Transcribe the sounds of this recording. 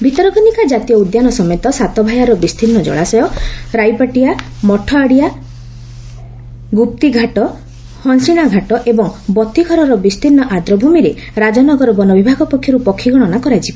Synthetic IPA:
bʱit̪ɔɾɔɡʱɔnikad͡ʒat̪ijɔud̪janɔsɔmet̪ɔsat̪ɔbʱajaɾɔbist̪ʰinːɔd͡ʒɔ̰ɭasɔjɔɾajpaʈijamɔʈʰɔaɽija | ɡup̚t̪iɡʱaʈɔ | hɔnsiɽ̃aɡʱaʈɔʔebɔŋbɔt̪ːiɡʰʱɔɾɔɾɔbist̪ʰinːɔʔad̪ɾɔbʱumiɾe | ɾad͡ʒɔnɔɡɔɾɔbɔnɔbibʱaɡɔpɔkʰjɔɾupɔkʰːiɡɔɽ̃ɔnakɔɾajt͡ʃʰibi

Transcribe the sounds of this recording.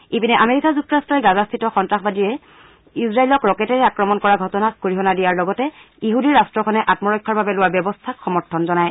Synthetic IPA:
epinɛʔameɹikazuk̚tɔɹastɹɔjɛɡazastʰitɔxɔntɹaxbadiɹɛ | isɹailɔkɹɔkɛtɛɹɛakɹɔmɔnkɔɹaɡʱɔtɔnakoɹiɦɔnadijaɹlɔɡɔtɛ | iɦudiɹastɹɔkʰɔnɛʔatmɔɹɔjkʰːaɹbabɛlʊwabjɔbɔstʰakxɔmɔɹtʰɔnzɔnaj

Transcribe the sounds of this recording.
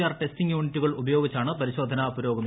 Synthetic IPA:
jaːrʈestiŋjuːɳitːuɣɐɭubɐjo̞ːɡit͡ɕːaːɳɨpɐɾiɕo̞ːd̪ʱɐnaubɐɾo̞ːɡɐm

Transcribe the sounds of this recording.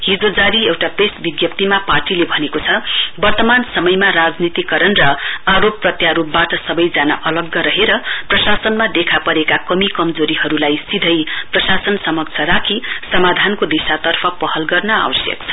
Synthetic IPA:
ɦid͡zod͡zaɾiewʈapesbiɡjʌp̚t̪imaparʈilebʱʌnekot͡sʰʌbʌrt̪ʌmansʌmʌjmarad͡znit̪ikʌɾʌnrʌaɾopːrʌt̪jaɾup̚baʈʌsʌbʌjd͡zana̰ʔʌlʌɡːʌɾʌɦeɾʌprʌsasʌnmad̪ekʰapʌɾekakʌmikʌmd͡zoɾiɦʌɾulajsid̪ʱʌjprʌsasʌnsʌmʌk̚t͡sʰʌɾakʰisʌmad̪ʱankod̪isat̪ʌrpʰʌpʌɦʌlɡʌrnʌa̰wʌsjʌ̰kt͡sʰʌ̥

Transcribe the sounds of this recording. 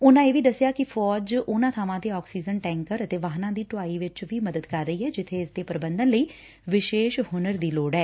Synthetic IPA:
ʊnãːeːʋiːd̪əsjaːkɪfʰɔːd͡ʒʊnãːt̪ʰaːʋãːt̪eːɔːksiːd͡ʒənʈɛ̃ːŋkəɾət̪eːʋaːɦnãːd̪iːʈʊaːiːʋɪt͡ʃʋiːməd̪əd̪kəɾːəiːɦɛːd͡ʒɪt̪ʰːeːɪsd̪eːpəɾəbənd̪ənləiː | ʋɪʃeːʃhʊnəɾd̪iːloːɖɛː

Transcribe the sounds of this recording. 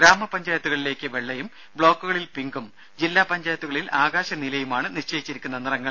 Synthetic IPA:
ɡɾaːmɐpɐɲd͡ʑaːjɐt̪ːuɣɐɭile̞ːkːɨʋe̞ɭːɐjum | bɭo̞ːkːuɣɐɭilpiŋɡum | d͡ʑilːaːpɐɲd͡ʑaːjɐt̪ːuɣɐɭilaːɣaːɕɐnilɐjumaːɳɨniʂt͡ɕeːjit͡ɕːiɾikʲːunːɐnirɐŋːɐɭ

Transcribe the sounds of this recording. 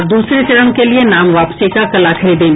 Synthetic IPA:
d̪uːsɾet͡ʃɐɽəɽ̃kelienaːmʋaːpsikakɐlakʰɐɾiːd̪ẽː

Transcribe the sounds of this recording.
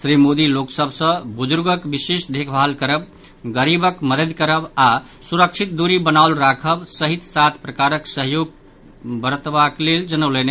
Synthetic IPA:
sɾimod̪iloksəbʱsə̃bud͡ʒuɾɡəkbisesd̪ʱekʰbʱalkəɾəb | ɡəɾibəkməd̪əd̪kəɾəba | suɾəkt͡ʃʰit̪̚d̪uɾibənaʊlɾakʰəbsəɦit̪sat̪ʰpɾəkaɾəksəɦjoɡ̚ | bəɾət̪bakleld͡ʒənəlene

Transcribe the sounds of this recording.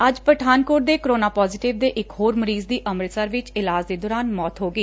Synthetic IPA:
əd͡ʒpɾəʈʰaːnkoːʈ̚d̪eːkəɾoːnaːpɔːzɪʈɪʋd̪eːʔɪkɦoːɾməɾiːzd̪iːʔəmɾəsəɾʋɪt͡ʃɪlaːd͡ʒd̪eːd̪ɔːɾaːnmɔːt̪ɦoːɡiː

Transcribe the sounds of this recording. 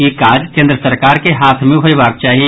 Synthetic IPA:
ikaːd͡ʒkẽːnd̪ɾəsəɾkaːɾkeɦaːt̪ʰmẽɦoiʋaːɾ̚t͡ʃaːɦi

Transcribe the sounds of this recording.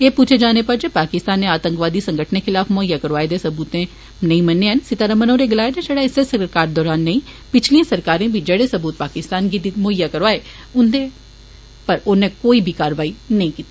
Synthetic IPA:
eːpuːt͡ʃʰeːd͡ʒaːnepəɾd͡ʒepaːkɪst̪aːnːẽaːt̪ə̃ŋkʋaːd̪isə̃ŋɡəʈʰnekʰɪlaːfmoːɪjaːkəɾʋaːed̪eːsəbuːt̪ẽ | nəĩmənːeːɦənsɪt̪aːɾəmənoːɾeɡɪlaːed͡ʒ̪ẽd͡ʒəːɽaːɪsesəkɾkaːɾd̪ɔːɾaːnːəĩː | pɪt͡ʃʰliãːsəɾkaːɾẽːbʱid͡ʒeːɽeːsəbuːt̪̚paːkɪst̪aːnɡid̪imoːɪjːakəɾʋaːe | ʊ̃nd̪ẽ | pəɾʊnẽːkoːibʱiːkaːɾʋaːinɐĩːkiːt̪i

